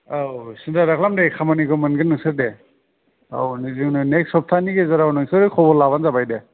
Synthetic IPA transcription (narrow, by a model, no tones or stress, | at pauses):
awsindaɾakʰlamdekʰamaniɡɯmɯnɡɯnɯŋsɯɾde | a̰wnizɯŋnɯneksɔp̚tʰaniɡezaɾawnɯŋsɯɾdɯkʰɔbɔlːaβanzabajde